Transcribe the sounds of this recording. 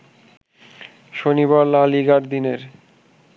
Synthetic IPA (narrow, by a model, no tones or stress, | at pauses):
ʃoniβaɾlaliɡaɾd̪ineɾ